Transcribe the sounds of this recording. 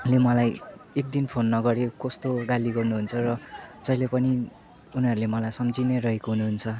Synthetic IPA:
lemʌlajek̚d̪inpʰonːʌɡʌɾekʌst̪oɡaliɡʌrnuɦunt͡sʰʌrʌd͡zʌilepʌni | unɦʌɾulemʌlajsʌmd͡zineɾʌɦekoɦunuɦunt͡sʰʌ

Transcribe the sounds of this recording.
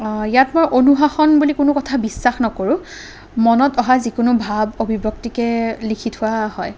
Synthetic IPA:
jatmojʔonuɦaxɔnbulikʊnʊkɔtʰabisːaxnɔkoɹʊ̃ | mɔnɔtɔɦazikʊnʊbʱabobʱibɔktikɛlikʰitʰʊwahɔj

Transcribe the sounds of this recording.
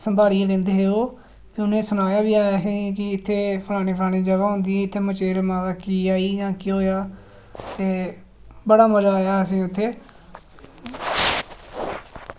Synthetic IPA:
səmbʱaːɽiːelẽnd̪eːɦeːoː | kɪʊnẽːsʊnaːjaːbiːaːɦĩːkɪɪt̪ʰːeːpʰəlaːniːpʰaːɽĩːd͡ʒəʋaːɦʊ̃nd̪iːɛɪt̪ʰːeːmət͡ʃeːɾmãːlaːkiːaːiːjãːkɪɦoːjaː | t̪eː | bəɽaːməd͡ʒaːjaːəs̬ĩːʊt̪ʰːeː

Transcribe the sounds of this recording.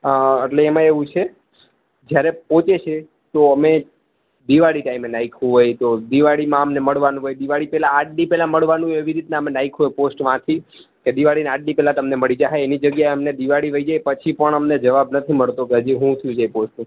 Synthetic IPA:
əʈleːmãeʋũt͡ʃʰe | d͡ʒjaɾepõt͡ʃet͡ʃʰe | t̪oəme | d̪iʋaɽiʈaimenaikʰɦuɦojt̪od̪iʋaɽimãəmneməɭʋanũɦojd̪iʋaɽipɛlãːʈnipɛlãməɭʋanũɦoeʋiɾit̪naəmenaikʰɦojposʈʋãt̪ʰi | ked̪iʋaɽineaʈ̚nipɛlãt̪əmneməɭid͡ʒaɦeenid͡ʒəɡjaeəmned̪iʋaɽiʋəid͡ʒajpət͡ʃʰipəɳəmned͡ʒəʋabnət̪ʰiməɭt̪okeɦəd͡ʒiɦũt̪ʰjũd͡ʒajposʈnũ

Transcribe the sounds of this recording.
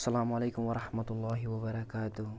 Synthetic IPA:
sːalaːmʕaleːkʊmwɐɾˤɑħmat̪ʊlˤːɑːɦɪwɐbɐɾˤɑkaːt̪ʊh

